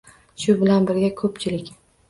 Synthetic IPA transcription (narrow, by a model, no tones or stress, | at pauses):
ʃʊbɪlanbɪɾɡʲakʰɵpt͡ʃʰɪlɪkʲ